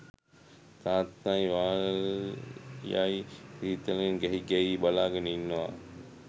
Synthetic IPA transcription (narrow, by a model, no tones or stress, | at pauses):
t̪aːt̪majʋaː | jajkɾiːt̪əlenɡɛɦiɡɛjiːbalaːɡənəinːəʋa̰